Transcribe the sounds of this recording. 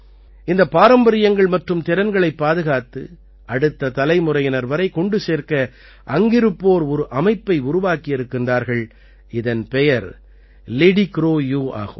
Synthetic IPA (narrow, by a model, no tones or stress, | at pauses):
ɪnd̪ɐpːaːɾɐmbɐɾɪjɐŋɡɐɭmɐʈrɯmt̪ɪɾɐnɡɐɭɐɪpːaːðɯɣaːt̪ːɯ̰ | ʔɐɽɯt̪ːɐt̪ɐlɐɪmʊrɐjɪnɐɾʋɐɾɐɪkɔɳɖɯseːɾkɐ | ʔɐŋɡɪɾɯpːoːɾɔɾɯʔɐmɐɪpːɐɪʊɾʊʋaːkɪjɪɾɯkːɪndraːɾɣɐɭ | ɪðɐnpɛjɐɾ | leɽikɾoːjuːa̰ːɣɯm